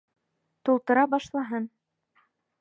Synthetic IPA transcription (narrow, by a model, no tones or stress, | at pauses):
t̪ulˠt̪ɤ̆ɾɑbɑʃlˠɑɦɤn